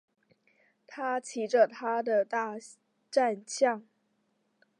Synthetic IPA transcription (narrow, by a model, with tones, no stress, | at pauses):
t̪ʰa˦t͡ɕʰi˨˥ʈ͡ʂə˨t̪ʰa˥d̪ə˨t̪a˥˧ | ʈ͡ʂa˥˧nɕjɑ˥˨ŋ